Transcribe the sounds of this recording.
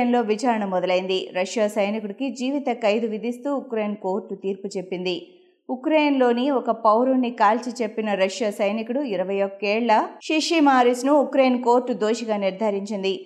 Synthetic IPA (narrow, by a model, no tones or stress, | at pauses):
nlo̞ːʋit͡ʃaːɾɐɳɐmːɔd̪ɐlɐjind̪iɾɐʃjaːsɐjnikuɽikid͡ʒiːʋit̪ɐkɐjd̪uʋid̪ʱist̪uːukɾeːjnko̞ːɾʈːut̪iːɾput͡ʃe̞pːind̪i | ukɾejnlo̞ːniɔkɐpɐwɾunːikaːlt͡ʃit͡ʃe̞pːinɐɾɐʃjaːsɐjnikuɽuiɾɐʋɐjokːɛːɭːɐʃiʃimaːɾisnuukɾejnko̞ːɾʈːud̪oːʃiɡaːniɾd̪ʱɐɾiɲt͡ʃind̪i